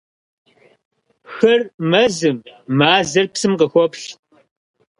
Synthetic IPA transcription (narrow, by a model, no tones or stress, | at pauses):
xɐrmɐzɨmmaːzɐrpsɨmqəxʷɔpɬ